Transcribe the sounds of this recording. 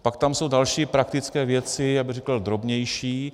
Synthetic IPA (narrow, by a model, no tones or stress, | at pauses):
pakt̪amso̞wdalʃiːpɾak̚t̪ɪt͡skɛːvjɛt͡sɪjabɪrɛkl̩d̪ɾo̞bɲɛjʃiː